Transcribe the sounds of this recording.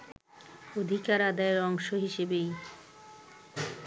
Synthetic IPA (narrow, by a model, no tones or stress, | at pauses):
od̪ʱikaɾad̪aeɾɔŋʃoɦiʃebej